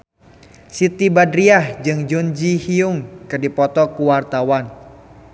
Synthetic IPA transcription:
sit̪ibadɾiahd͡ʒɨŋd͡ʒund͡ʒihiʊŋkɨrdipɔt̪ɔkuwart̪awan

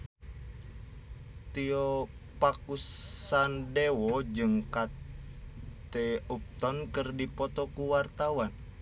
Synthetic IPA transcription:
t̪iɔpakusandɛwɔd͡ʒɨŋkat | t̪eup̚t̪ɔnkərdipɔt̪ɔkuwart̪awan

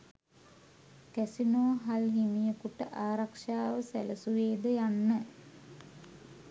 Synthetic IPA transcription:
kæsinoːɦalɦimijəkuʈəʔaːɾakʂaːʋəsæ̰ləsuʋeːd̪əjanːə

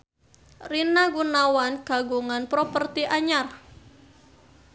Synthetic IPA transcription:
rinaɡunawanɡ̥a̤ɡuŋanpɾɔpərt̪iʔaɲar

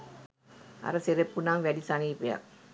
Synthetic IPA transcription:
ɐ̰ɾɐseɾepːunaːŋʋæɖisɐniːpejɐ̰k

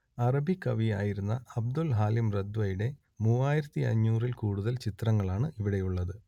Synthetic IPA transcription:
ɐrɐbʱikːɐʋijaːjiɾunːɐɐb̚d̪ulɦaːlimred̪ʋɐjuɽe̞ | muːaːjiɾɐt̪ːiɐ̰ɲːuːrilkuːɽuðɐlt͡ɕit̪rɐŋːɐɭaːɳɨʔiʋiɽe̞juɭːɐðɨ

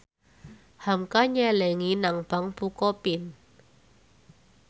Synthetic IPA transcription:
hamkaɲɛlɛŋinaŋb̥a̤ŋpukɔpɪn

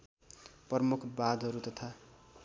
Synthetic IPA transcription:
pʌrmukʰbad̪ʱɦʌɾut̪ʌt̪ʰa

